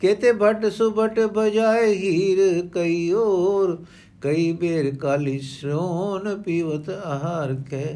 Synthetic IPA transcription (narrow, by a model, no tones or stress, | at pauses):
keːt̪ebʱɐʈsubʱəʈbɐd͡ʒaːeɦiːɾkɐioɾ | kɐibeːɾkaːlisɾoːnpiːʋət̪ɐɦaːɾkʰeː